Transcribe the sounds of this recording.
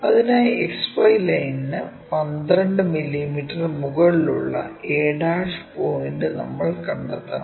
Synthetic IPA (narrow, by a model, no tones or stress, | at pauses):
ɐðinaːjekspojlɐjnːɨ | pɐnd̪ɾɐɳɖɨmilːimiʈːɐrmuɣɐɭilṵɭːɐ̰eːɽaːʂpoːjinɖɨnɐ̰mːɐɭkɐɳɖɐt̪ːɐ̰n